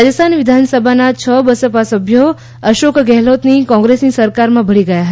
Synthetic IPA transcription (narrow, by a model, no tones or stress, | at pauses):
ad͡ʒəst̪ʰanʋɪd̪ʱansəbʱanat͡ʃʰəbəsəpasəbʱjo | əʃokʰɡɛɦlot̪nikɔ̃ŋɡɾesnisəɾkaɾmãbʱəɭiɡəjaɦə